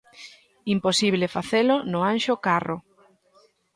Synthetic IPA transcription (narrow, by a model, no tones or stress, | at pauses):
imposiβlefaθelʊnʊanʃʊkarʊ